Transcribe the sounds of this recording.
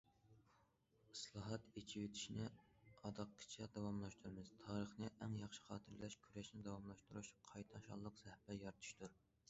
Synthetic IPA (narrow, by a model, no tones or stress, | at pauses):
ɨslˠɑɦɑt̪et͡ʃʰiwet̪ʰi̥ʃinɛɑd̪ɑqʰːɪ̥t͡ʃʰɛd̪ɑwɑmlˠɑʃt̪ʰuɾmɨz̥t̪ʰɑːɾəχnɪʔɛŋjɑχʃɪ̥χɑːt̪ʰɨɾlɛʃkʲʰyɾɛʃnɪd̪ɑwɑmlˠɑʃt̪uɾuʃqʰɑjt̪ʰɑnʃɑ̰lˠːəqz̥ɛhbɛjɑɾt̪ʰu̥ʃt̪ʰuɾ